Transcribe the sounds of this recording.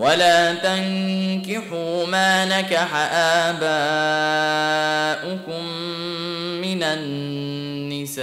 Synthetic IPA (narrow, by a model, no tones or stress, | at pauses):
walaːt̪aŋkɪħumaːnakaħaʔaːba | ʔʊkʊmː | ɪnanː | ɪsaː